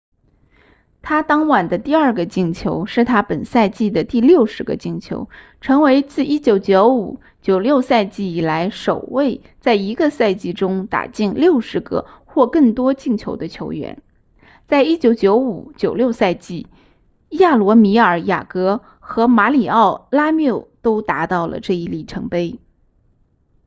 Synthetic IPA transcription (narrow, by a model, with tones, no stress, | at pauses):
t̪ʰa˥t̪ɑ˥ŋwa˨˩nd̪ə˦t̪i˥˧ɐə˞˥˩ɡə˩t͡ɕi˥˩ŋt͡ɕʰjo˧˥ʊʂɻ̩˥˩t̪ʰa˥pə˨˩nsa˥˧ɪt͡ɕi˥˩d̪ə˩t̪i˥˧ljo˥˩ʊʂɻ̩˧˥ɡə̰˧t͡ɕi˥˩ŋt͡ɕʰjo̰˧˥ʊ | ʈ͡ʂʰɤ˧˥ŋwe˧˥ɪt͡sɹ̩˥˩i˥t͡ɕjo˨˧˩ʊt͡ɕjo˧˥ʊu˨˩ | t͡ɕjo˨˩ʊljo˥˧ʊsa˥˧ɪt͡ɕi˥˩i˨˩la˧˥ɪʂo˨˩ʊwe˥˧ɪ | t͡sa˥˩ɪi˧˥ɡə˧sa˥˧ɪt͡ɕi˥˧ʈ͡ʂʊ˥ŋt̪a̰˨˩t͡ɕi˥˧nljo˥˩ʊʂɻ̩˧˥ɡə̰˧xwɔ˥˧kɤ˥˩ŋt̪wɔ˥t͡ɕi˥˩ŋt͡ɕʰjo˧˥ʊd̪ə˧t͡ɕʰjo˧˥ʊɥɛ̰˧˥n | t͡sa˥˧ɪi˥t͡ɕjo˨˧˥ʊt͡ɕjo˧˥ʊu˨˩t͡ɕjo˨˩ʊljo˥˧ʊsa˥˧ɪt͡ɕi˥˩ | ja˥˩lwɔ˧˥mi˧˥ə˞˨˩ja̰˨˩kɤ˧˥ | xɤ˧˥ma˧˥li˨˩ɑ˥˩ʊla˥mjo˥˩ʊt̪o˥ʊt̪a˧˥t̪ɑ˥˩ʊlə̰˩ʈ͡ʂɤ˥˧i˥˧li˥˩ʈ͡ʂʰɤ˧˥ŋpe˥ɪ